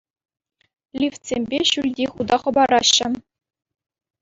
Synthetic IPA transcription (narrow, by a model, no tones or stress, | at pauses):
lʲiftsʲemʲbʲeɕulʲdʲiχud̪ɑχɤ̆bɑɾɑɕːɘ̆